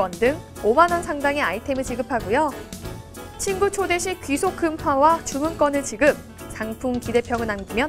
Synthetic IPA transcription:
ʌndɯŋ | omanʌnsʰaŋdaŋe̞aitʰe̞mit͡ɕiɡɯpʰaɡujo | t͡ɕʰinɡut͡ɕʰode̞ɕʰikɥisʰok͈ɯmɸwawat͡ɕumɯnk͈ʌnɯɭt͡ɕiɡɯp̚ | t͡ɕaŋpʰuŋkide̞pʰjʌŋɯɭnamɡimjʌn

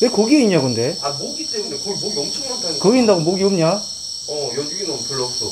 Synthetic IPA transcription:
nekoɡieiɲakɯnde̞amoɡit͈emune̞koɭmoɡjʌŋt͡ɕʰʌŋmantʰakɯɡiindaɡomoɡiomɲa | ʌjʌiɡinʌmpuɭːʌsʰo

